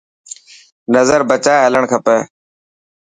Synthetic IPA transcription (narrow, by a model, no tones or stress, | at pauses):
nəzəɾbət͡ʃaːɦələɳkʰəpəː